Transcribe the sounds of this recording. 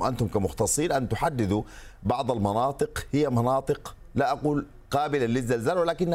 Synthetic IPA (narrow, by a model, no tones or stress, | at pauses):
ʔa̰nt̪ʊmkamʊxt̪ɑsˤːiːnʔant̪ʊħad̪ːɪd̪ubɑʕd̪ˤalmɑnɑːt̪ˤɨqhɪjːamɑnɑːt̪ˤɨq | laʔaquːl | qɑːbɪlalɪzːalzaːlwɪlaːkɪnː